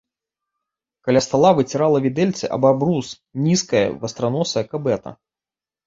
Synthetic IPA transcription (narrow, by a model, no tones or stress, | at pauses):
kalʲast̪alˠavɨt͡sʲiɾalˠɐvʲid̪ɛlʲt̪sɨʔɐ̰babɾus | nʲiskɐjɐ̰vɐst̪ɾanɔsɐɐkabɛt̪ɐ̰